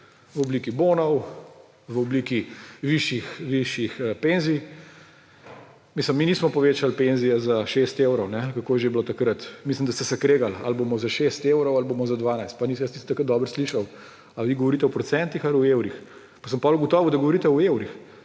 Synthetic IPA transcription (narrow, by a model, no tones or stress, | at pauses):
ʋɔbliːkibonɔw | ʋɔbliːkiʋiʃjixʋiʃjixpenzij | misləmːiniːsmɔpɔʋeːt͡ʃalpenzijɛzaʃest̪ewɾɔwnɛkakoːjɛʒeblot̪akɾət̪misləmd̪ast̪ɛsɛkɾeːɡala̰lbomɔzaʃest̪ewɾɔwalboːmɔzad̪ʋaːnajst̪̚panijasnist̪akət̪d̪ɔːbəɾsliʃaw | aʋiɡɔʋɔɾiːt̪ɛɔpɾɔtsɛnt̪ixaliuewɾix | pasəmpɔluɡɔt̪ɔːʋud̪aɡɔʋɔɾit̪ɛɔewɾix